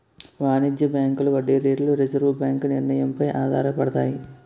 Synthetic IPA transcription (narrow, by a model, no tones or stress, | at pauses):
ʋaːnid̪jɐbjaːŋkuluʋɐɖːiɾeːɖluɾed͡ʒɐɾʋubjaːŋkuniɾnɐjɐmpɐjʔaːd̪a̰ːɾɐpɐɽɐt̪aːji